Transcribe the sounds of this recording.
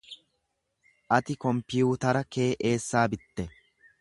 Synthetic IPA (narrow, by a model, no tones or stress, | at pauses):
ʔɐt̪ɪkɔmpɪjuːt̪ɐɾɐke̞ːʔe̞ːsːaːbɪt̪ːɛ